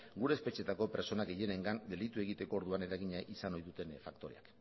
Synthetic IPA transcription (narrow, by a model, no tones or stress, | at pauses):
ɡuɾe̞ːspe̞t͡ʃie̞t̪ako̞pe̞ɾt͡so̞naɡe̞je̞ne̞ŋɡand̪e̞lit̪ue̞ɣit̪e̞ko̞ːɾðuane̞ɾaɣiɲaʔisano̞jðut̪e̞nfakt̪o̞ɾe̞ak